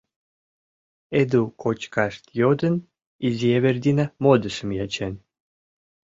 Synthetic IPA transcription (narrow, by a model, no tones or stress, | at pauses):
ed̪ukʰot͡ɕkaʂt̪jod̪ə̆n | izʲjeβerd̪ʲinamod̪əsə̆mjat͡ɕen